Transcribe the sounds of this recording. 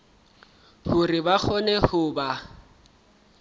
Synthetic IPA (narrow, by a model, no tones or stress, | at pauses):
hʊribak͡xʰɔnɛhʊːba